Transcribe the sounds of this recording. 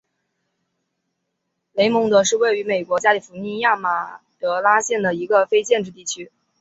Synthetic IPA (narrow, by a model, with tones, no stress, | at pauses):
le˧˥ɪmʊ˧˥ŋt̪ə˧˥ʂɻ̩˥˧we˥˩ɪy˧˥me˨˩ɪkwɔ˧˥t͡ɕja˥li˨˩fu˧˥ni˥˧nja˥˩ma˨˩t̪ɤ˧˥la˥ɕjɛ˥˩nd̪ə˩i˧˥ɡə˧fe˥ɪt͡ɕjɛ˥˧nʈ͡ʂɻ̩˥˧t̪i˥˩t͡ɕʰy˥